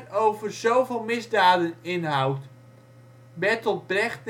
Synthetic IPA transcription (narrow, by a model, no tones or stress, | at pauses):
nowvərzowvɪːlˠmɪzdaːdənɪnɦawt | bɛtɔt̚brɛχt